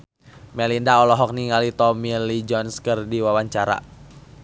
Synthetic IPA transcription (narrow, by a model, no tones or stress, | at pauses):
mɛlindaɔlɔɦɔk̚niŋalit̪ɔmilid͡ʒɔnskɨrdiwawaɲt͡ʃaɾa̰